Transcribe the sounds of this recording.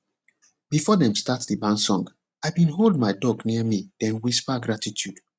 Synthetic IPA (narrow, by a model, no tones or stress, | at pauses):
b̥ifɔdɛ̃mstatðibãnsɔ̃ŋɡ | aɪbĩnɦolˠd̚maɪdɔɡniəmidɛ̃nwispaɡɹatitʰjud̥